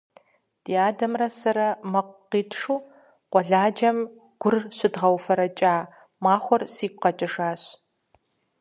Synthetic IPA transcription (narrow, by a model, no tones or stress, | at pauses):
d̥iːaːdɐmrɐsɐɾɐmɐqʷː | iːtʰʂuː | qʷɔɮaːd͡ʒɐm | ɡ̥ʷʊrɕɪdʁɐwfɐɾɐt͡ʃʼaː | maːxʷɔrsiːkʷqɐt͡ʃʼɐʂaːɕ